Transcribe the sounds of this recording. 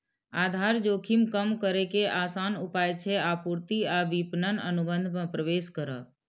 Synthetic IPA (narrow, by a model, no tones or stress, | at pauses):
ad̪ʱaɾd͡ʒokʰimkəmkəɾekeʔaːsanupajt͡ʃʰeapuɾt̪iabipnənə̰nubənd̪ʱmə̃pɾəʋeskəɾə̰